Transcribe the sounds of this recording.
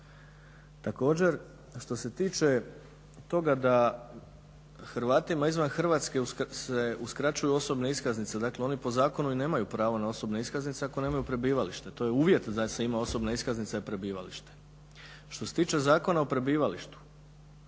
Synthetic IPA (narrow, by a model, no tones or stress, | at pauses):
t̪ako̞ːd͡ʑe̞ɾ | ʃt̪o̞se̞t̪iːt͡ʃe̞ | t̪o̞ɡad̪a | xɾʋaːt̪imaizʋanxr̩ʋat̪ske̞useuskɾat͡ɕujuo̞so̞bne̞iskaznit̪se̞d̪akleo̞nipo̞zaːko̞nuine̞ːmajupɾaːʋonao̞so̞bne̞iskaznit̪seakone̞ːmajupɾe̞biːʋaliʃt̪e̞t̪o̞jeuːʋje̞t̪d̪aseimao̞so̞bne̞iskaznit̪seipɾe̞biːʋa̰liʃt̪e̥ | ʃt̪o̞set̪iːt͡ʃe̞zaːko̞naopɾe̞biːʋaliʃt̪u̥